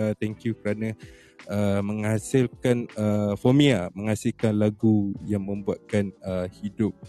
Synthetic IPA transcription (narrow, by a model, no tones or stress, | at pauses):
t̪ɛŋkjukəɾanã | əmə̃ŋhasɪlkanəfomĩamə̃ŋhasɪlkanlaɡujaŋmə̃mbuat̪̚kanəhidʊp̚